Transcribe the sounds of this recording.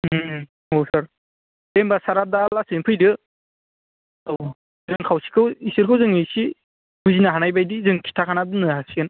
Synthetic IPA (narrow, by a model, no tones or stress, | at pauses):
howsaɾ | dembasaɾadalasɯnpʰɯjdɯ | zɯŋkʰawsi̥kʰɯwisɯɾkʰɯwzɯŋisi | buzinaɦanajbajdizɯŋkʰi̥tʰakʰanadɯnɯhasian